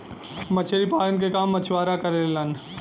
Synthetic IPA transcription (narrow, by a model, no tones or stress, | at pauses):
mɐt͡ʃʰeɾipaːlənk̬ekaːmːɐt͡ʃʰʋaːɾakɐɾelelan